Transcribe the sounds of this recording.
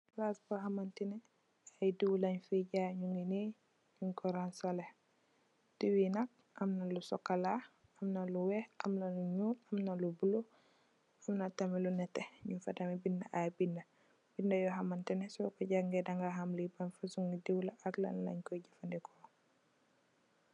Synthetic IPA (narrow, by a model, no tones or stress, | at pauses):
lasbɔɦamantinɛ | ajdiwlaɲfiɟaːɲuŋɡini | ɲuŋkɔɾansale | d̥iwinak̚ | amnalusɔkːala | ɐmnaluwɛhʔamlɐluɲuːtamnɐlubulu | amnatamilunɛtɛɲufatamibindɐʔabindɐ | b̥indɐjɔɦamantinɛsɔkɔɟaŋɡɛdaŋɡaɦamlibanfasuŋɡidiwlaʔakla̰nlɐ̰ɲkɔjɟafandikʰɔː